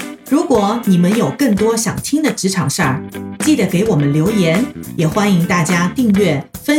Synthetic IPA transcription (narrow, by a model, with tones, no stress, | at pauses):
ɻu˧˥kwɔ˨˩˦ni˨˩mə˦njo˨˩ʊkɤ˥˩ŋt̪wɔ˥ɕjɑ̰˨˩ŋt̪ʰi˥ŋd̪ə˨ʈ͡ʂɻ̩˧˥ʈ͡ʂʰɑ˨˩ŋʂə˥˩˨t͡ɕi˥˩d̪ə˩ke˧˥ɪwɔ˨˩mə˦nljo˧˥ʊjɛ˧˥njɛ˨˩xwa˥ni˧˥ŋt̪a˥˩t͡ɕja˥t̪i˥˧ŋɥɥɛ˥˩fə˥